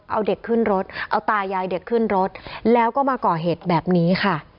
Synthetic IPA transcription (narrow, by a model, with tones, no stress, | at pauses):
ʔa̰˧wde˨˩kʰːɯ˥˩nɾo˦˥t̪̚ʔa˧wt̪aː˧jaː˧jde˨˩kʰːɯː˥˩nɾo˦˥t̪̚lɛː˦˥wkɔː˥˩maː˧kɔː˨˩ɦeː˨˩t̪̚bɛː˨˩p̚niː˦˥xʰa˥˩